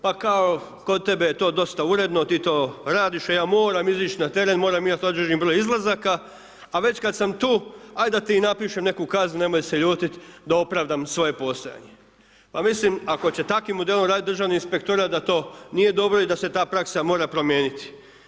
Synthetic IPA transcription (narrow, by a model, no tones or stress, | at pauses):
pakao | kod̪̚t̪e̞be̞jet̪o̞ːd̪o̞st̪auɾe̞d̪no̞t̪iːt̪o̞ːɾaːd̪iʃajaːmo̞ːɾamizit͡ʃnat̪e̞ɾenmo̞ːɾamimat̪od̪ɾiʒimbɾo̞ːjizlˠazakaː | ʋe̞t͡ɕkad̪samt̪uːajd̪at̪inapiʃe̞mne̞kukaznune̞mo̞jse̞ʎuːt̪it̪d̪ao̞pɾaʋd̪amsʋo̞je̞po̞st̪oja̰ɲe̞ | pamislimako̞t͡ɕe̞t̪akimːod̪e̞lomɾaːd̪it̪d̪rʒaːʋneinspe̞kt̪oɾat̪d̪at̪o̞ːnije̞d̪o̞bɾo̞id̪ase̞t̪aːpɾaksamoːɾapɾo̞mje̞ːnit̪i̥